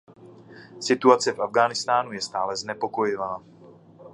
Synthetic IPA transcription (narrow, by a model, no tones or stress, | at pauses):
sɪt̪uat͡sɛfʔavɡaːnɪst̪aːnujɛst̪aːlɛznɛpo̞ko̞jɪvaː